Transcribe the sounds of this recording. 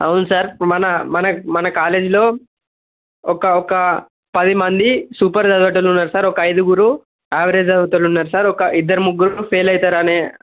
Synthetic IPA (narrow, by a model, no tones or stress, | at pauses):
ɐwunusaːɾmɐnɐmɐnɐmɐnɐkaːle̞ːd͡ʒilo̞ː | ɔkɐɔkɐ | pɐd̪imɐnd̪isuːpɐɾd̪ɐd̪ʋɐʈɐlunːaːɾusaːɾɔkɐɐjd̪uɡuɾu | aːʋɐɾeːd͡ʒɐd̪ʋɐt̪ɐlunːaːɾusaːɾɔkɐʔid̪ːɐɾumuɡːuɾupʰeːlɐjt̪aːɾɐneː